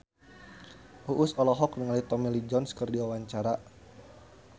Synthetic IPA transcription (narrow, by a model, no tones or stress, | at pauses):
ʔuʔʊsɔlɔɦɔknəŋalit̪ɔmilid͡ʒɔnskɨrdiwawaɲt͡ʃaɾa